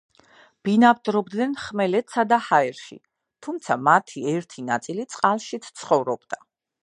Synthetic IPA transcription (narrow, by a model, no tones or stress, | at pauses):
b̥inab̚d̪ɾɔbd̪nɛnχmɛlɛt̪sʰad̪ahaɛɾʃḭ | t̪ʰumt̪sʰamat̪ʰiɛɾt̪ʰinat̪sʼilit̪sʼqʼalˠʃit̪sʰt̪sʰχɔvɾɔbd̪a